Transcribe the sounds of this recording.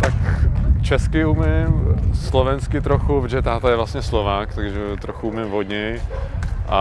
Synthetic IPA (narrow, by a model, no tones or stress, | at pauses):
t̪akt͡ʃɛskɪumɪmslovɛnskɪt̪ɾoxuvd͡ʒɛt̪aːt̪ajɛvlast̪ɲɛslovaːkt̪aɡʒɛt̪ɾoxuumɪmvodɲɛj | ʔa̰